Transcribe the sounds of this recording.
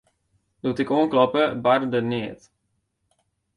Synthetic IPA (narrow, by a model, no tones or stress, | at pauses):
dutɪkonklɔpəbaɾdəniːt